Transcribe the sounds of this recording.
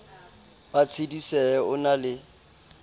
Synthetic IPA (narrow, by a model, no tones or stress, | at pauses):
b̥at͡sʰedisɛɛʊnalɪ